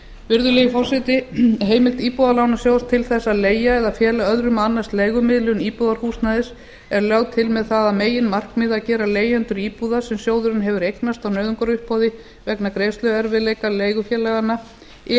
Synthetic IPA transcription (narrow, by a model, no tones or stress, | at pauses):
vɪɾðʏleːjɪfɔr̥sɪt̪ɪɦeːjmɪlt̪iːpuðalaːwnasjoːwst̪ʰɪlθɛsːaðleːjaɛðafjɛːlaœðɾʏmanːast̪leːjɣʏmɪðlʏniːpuðaɾ̥fuːst̪naðɪs | ɛɾljaːwt̪ʰɪlmɛðθaðameːjɪnmar̥kmɪːðacɛːɾaleːjant̪ʏɾiːpuðasɛmsjoːwðʏɾʏnɦɛvʏɾejknast̪awnœːɥðʏŋkɔɾʏhpɔðɪ | vɛknakɾeːjst̪lœɛɾvɪleːjkaleːjɣʏfjɛlɛɣanːa